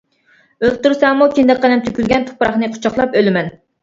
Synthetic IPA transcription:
ølt̪uɾsɛŋmukʲind̪ɛkʲqɑnɛmt̪ʰykʲylɡʲɛnt̪ʰʊ̥pʰɾɑχnɨqʰʊ̥t͡ʃʰɑχlˠɑpølmɛn

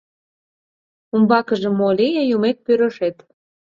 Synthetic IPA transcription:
umbɑkəʒə̆molʲijejumek̪̚pøɾəʃet̪

